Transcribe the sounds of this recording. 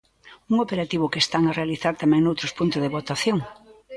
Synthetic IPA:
uŋopeɾat̪iβʊkest̪aŋarealiθaɾt̪amɛ̃ŋnowt̪ɾʊspunt̪ʊzðeβot̪aθjoŋ

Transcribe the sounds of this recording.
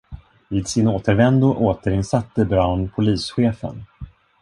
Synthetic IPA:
viːd̪sɪnoːt̪əɾvɛnd̪ʊʔoːt̪əɾɪnsat̪ːəbɾɑnpʰʊliːsɧeːfə̰n

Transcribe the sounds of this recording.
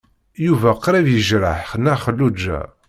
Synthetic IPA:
juvæqɾævjəʒɾəħχənːæχəlːud͡ʒːæ̰

